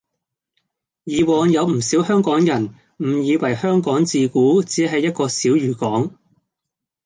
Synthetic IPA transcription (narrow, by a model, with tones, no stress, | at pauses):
jiː˨wɔː˨˧ŋjɐ˨˧wm̩˨˩siː˨˥whœː˥ŋkɔː˨˥ŋjɐ˨˩n | m̩˨˩jiː˨˧wɐ˨˩jhœː˥ŋkɔː˨˥ŋt͡siː˨kuː˨˥t͡siː˨˥ɦɐ˨jːɐ˥t̚kɔː˧siː˨˥wɥyː˨˩kɔː˨˥ŋ